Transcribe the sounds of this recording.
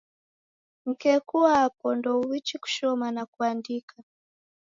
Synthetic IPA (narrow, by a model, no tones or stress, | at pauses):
ŋ̩kɛkuwaapɔndɔuwit͡ʃiku̥ʃɔmanakuandikʰa